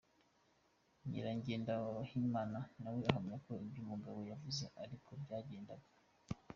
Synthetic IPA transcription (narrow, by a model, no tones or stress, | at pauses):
ɲḭɾaɲɟeːndahimaːnanaweaɦamɲakoibjumuɡaβo̞javuze̞ʔaɾikʰo̞bɟaːɟe̞ːndaɡo